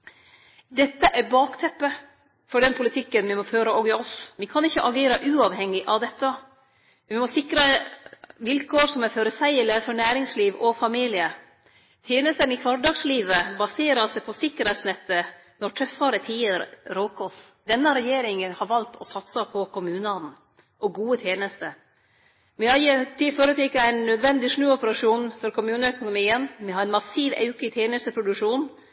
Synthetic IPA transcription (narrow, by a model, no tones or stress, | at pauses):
d̪ɛt̪ːəʔæɾbɑːkt̪ʰɛpːə | fɔɖɛnpʰʊlɪt̪ʰɪkːənʋɪmɔføːɾəʔɔɡɪɔsʋɪkʰɑnɪçːəʔɑɡeːɾəʔʉːɑʋhɛŋːɪʔɑʋd̪ɛt̪ːə | ɪmɔsɪkɾə | ʋɪlkʰoːɾsɔmɛɾføːɾəsæɪələfɔɾɳæːɾɪŋsliːʋɔfɑmiːlɪə | t̪ʰeːnəst̪ənɪkʰʋɑɖɑːɡsliːʋəbɑseːɾɑsɛɪpʰɔsɪkːəɾhɛt̪snɛt̪ːə | nɔʈʰɾœfːɑɾət̪ʰiːəɾɾɔːkʰɔsd̪̥ɛnːəɾɛjeːɾɪŋəhɑɾʋɑlt̪ʰɔsɑt̪sɑpʰɔkʰʊmʉːnəɑnn̩ | ʔɔɡuːət̪ʰjeːnəst̪ə | mɛhɑjit̪ʰiːføɾət̪ʰɛkəæɪnːœd̪ʋɛnd̪ɪʂnʉːɔpəɾɑʂuːnfɔɾkʰʊmʉːnəœkʊnʊmiːənmɛhɑɾɛnmɑsiːʋɑ̰ʉkət̪ʰjeːnəst̪əpʰɾʊd̪ʉʂuːn